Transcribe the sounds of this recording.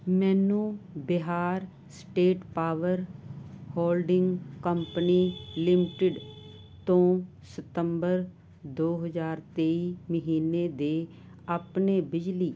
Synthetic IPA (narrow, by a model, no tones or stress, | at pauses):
mɛːnũːbɪɦaːɾ | sʈeːʈpaːʋəɾhoːlɖɪŋɡkəmpəniːlɪmɪʈɪɖ | t̪õː | sət̪əmbəɾ | d̪oːɦəzaːɾt̪eːiːməɦiːneːd̪eː | aːpneːbɪd͡ʒliː